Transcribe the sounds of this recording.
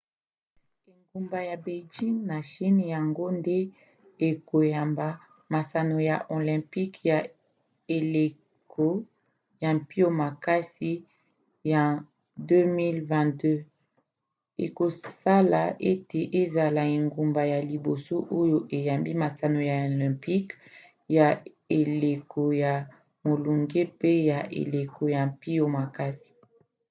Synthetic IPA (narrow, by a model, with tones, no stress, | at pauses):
e˨ŋɡu˨mba˨ja˨be˨d͡ʒi˦ŋna˨ʃi˦nja˨ŋɡo˦nde˦ | e˨ko˨ja˨mba˨ | ma˨sa˨no˨ja̰˨ʔo˨lɛ̃˨mpi˦kja˨ | e˨le˨ | kʰo˦ | ja˨mpi˦o˦ma˨ka˦si˦ | ja˨ | dø˦mi˦lvɛ̃˦˨dø˦ | ḛ˨ko˨sa˦la˨e˦te˨ʔe˦za˨la˨e˨ŋɡu˨mba˨ja˨li˨bo˨so˦ʔo˦jo˦ʔe˨ja˨mbi˦ma˨sa˨no˨ja˨o˨lɛ̃˨mpi˦k | ja˨ | e˨le˨kʰo˨ja˨ | mo˨lu˨ŋɡe˦pe˦ja˨ʔḛ˨le˨kʰo˨ja˨mpi˦jo˨ma˨ka˦si̥˨